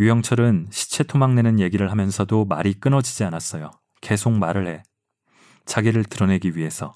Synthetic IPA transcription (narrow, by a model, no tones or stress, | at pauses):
jujʌŋt͡ɕʰʌɾɯnɕʰi̥t͡ɕʰe̞tʰomaŋne̞nɯnje̞ɡiɾɯɭɦamjʌnsʰʌdomaɾik͈ɯnʌd͡ʑid͡ʑianas͈ʌjo | ke̞sʰok̚maɾɯɭhe̞ | t͡ɕaɡiɾɯɭtɯɾʌne̞ɡiɥiɦe̞sʰʌ